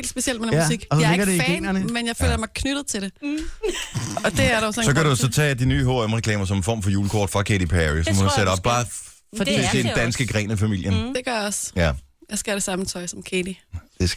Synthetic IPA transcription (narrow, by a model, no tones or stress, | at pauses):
ḛld̥sb̥e̝sield̥menmsiɡ̥ɒsɒleɡɐdeenɐnəmenjäɪfø̰ːlɐmɑɪkʰnyɾ̥ð̞̩ˠt͡sʰe̝d̥e̝ | ɒ̽d̥e̝æɐɾɑʊsɒsɒ̽kæɾusɒ̽t͡sʰɛ̰ːd̥inyːɦoːemʁɛkʰlɛːmɐsɒ̽menfɒ̰mfɒ̽juːləkʰɒ̰ːd̥fʁɑ̈kʰed̥ipʰæʁisɒmɒduseɾəɒ̽b̥bɑː | fɒdeed̥ænsɡ̥əɡ̥ʁɛ̰ːnəfæmil̰jənd̥e̝ɡ̥ɶɐjaɒ̽sjæ | jaɪsɡ̥ææɾ̥e̝sɑ̈mn̩t͡sʰɒ̽ɪsɒ̽mkʰeːd̥id̥es